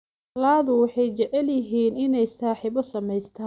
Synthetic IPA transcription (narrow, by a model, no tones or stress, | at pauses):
laːðʊwɑħɑjt͡ʃɛʕɛljɪɦiːnɪnɛjsaːħiːβɔsɐmɛjst̪ʰa